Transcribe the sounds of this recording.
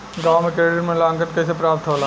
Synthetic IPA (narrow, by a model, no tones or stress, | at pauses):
ɡaːwmẽkeːɽəɾmẽlãːŋkənkɐs̬epɾaːp̚t̪ɦoːlaː